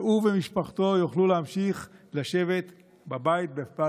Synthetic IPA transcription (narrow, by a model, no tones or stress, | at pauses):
uvemiʃpaχt̪o̞joχluleamʃiχlaʃe̞ve̞t̪ | babait̪̚befpa